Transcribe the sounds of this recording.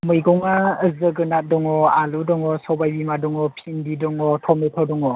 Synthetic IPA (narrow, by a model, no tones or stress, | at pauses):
mɯjɡɔŋaəzɯɡɯnat̚dɔŋɔaludɔŋɔsɔbajbimadɔŋɔpʰindidɔŋɔtʰɔmetʰɔdɔŋɔ